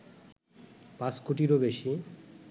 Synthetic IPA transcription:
pãskoʈ̬iɾobeʃi

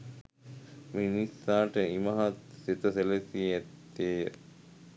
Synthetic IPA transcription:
minisːaːʈəimɐɦɐt̪sit̪ɐselesiet̪ː | eː

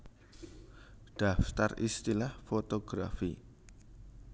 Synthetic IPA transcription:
ɖ̥a̤ft̪arḭst̪ilahfot̪oɡ̥ɾafḭ

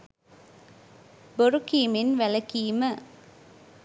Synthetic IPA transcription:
bɔɾɯkːimɪnʋɛlɐkːimɐ

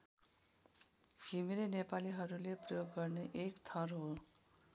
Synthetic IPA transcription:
kʰimeɾenepaliɦʌɾuleprʌjoɡːʌrneʔekt̪ʰʌrɦo

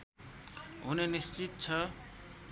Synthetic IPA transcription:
ɦunenist͡sit̪̚t͡sʰʌ

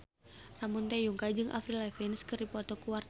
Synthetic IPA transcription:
ramunt̪ɛjuŋkad͡ʒɨŋʔa̰fɾilɛfinskɨrdipɔt̪ɔkuwar

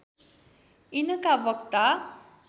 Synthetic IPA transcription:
inəkaʋʌk̚t̪a

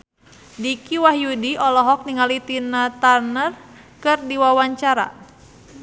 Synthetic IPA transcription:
dikiwahjudiɔlɔɦɔk̚niŋalit̪inat̪anər | kɨrdiwawaɲt͡ʃaɾa̰

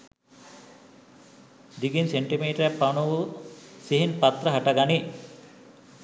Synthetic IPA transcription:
d̪iɡinseɳʈimiːʈɐɾapːanuʋusiɦinpat̪ɾəɦaʈaɡani

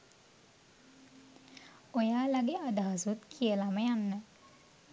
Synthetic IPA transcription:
ojaːlaɡead̪aɦasut̪kʰijəlaməjanːə

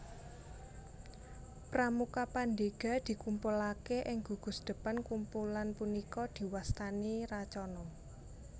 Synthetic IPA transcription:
pramukapand̪eɡ̥a̤d̪̥i̤kumpulakeʔɪŋɡṳɡ̥ʊ̤sd̪̥ə̤pankumpulanpunikɔd̪̥i̤wast̪anirat͡ʃɔnɔ

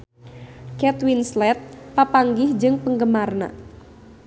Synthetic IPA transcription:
kɛt̪winslɛt̪̚papaŋɡɪhd͡ʒɨŋpəŋɡəmarna̰

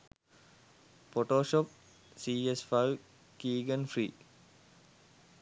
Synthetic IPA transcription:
poʈoːʃɔp̚ | siːesfajʋ | kiːɡənfɾiː

